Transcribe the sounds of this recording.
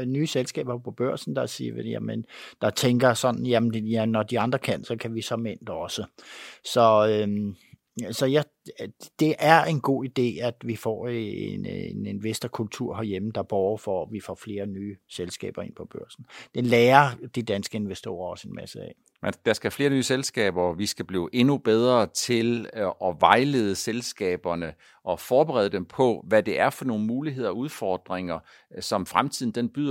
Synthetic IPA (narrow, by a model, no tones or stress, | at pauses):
nyːselsɡ̥ɛ̰ːb̥ɐpʰɒ̽b̥ɶɐ̰sn̩d̥ɑ̈siːʋejæ̰mənd̥ɑ̈t͡sʰeŋɡ̥ɐsɒ̽n̥n̩jæmnjænɒd̥iɑ̈nd̥ʁɐkʰæn̰sɒ̽kʰæʋisɒ̽men̰d̥ɒ̽səsɒ̽øm | sɒ̽jɑ | d̥e̝ʔæɐe̝nɡ̥o̝̰ːid̥e̝̰ːæd̥ʋifɒ̰ːḛnene̝nʋesd̥ɐkʰult͡sʰuɐ̰ɦæɐjeməd̥ɑ̈b̥ɒːɐfɒʋifɒ̰fle̝ːɐnyːselsɡ̥ɛ̰ːb̥ɐe̝n̰pʰɒ̽b̥ɶɐ̰sn̩d̥enlɛːɐd̥id̥ænsɡ̥əe̝nʋesd̥o̝̰ːɐɒ̽se̝nmæsəɛ̰ː | mænd̥ɑsɡ̥æfle̝ːɐnyːselsɡ̥ɛ̰ːb̥ɐʋisɡ̥æb̥lḭːʊʔe̝nub̥eð̞ˠʁɐt͡sʰe̝lʔɒ̽ʋɑ̈ɪle̝ːð̞ˠəselsɡ̥ɛ̰ːb̥ɐnə | ʔɒ̽fɒːb̥eʁɛ̰ðˠəd̥empʰɒ̽ʋæd̥e̝ʔæɐfɒ̽no̝ːn̩muːliɦe̝ð̞ˠɐɒuð̞ˠfɒd̥ʁeŋɐ | sɒ̽mfʁamt͡sʰiðˠn̩d̥enb̥yð̰ˠ